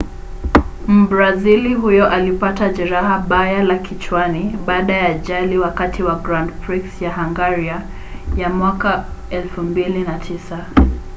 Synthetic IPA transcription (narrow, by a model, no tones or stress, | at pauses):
m̩bɾaziliɦujɔʔalipatad͡ʒɛɾaɦaɓajalakʰit͡ʃwaniɓaːɗajaʄaliwakatʰiwaɡɾandpɹiksjahaŋɡaɾia | jamwakaɛlfumbilinatʰisa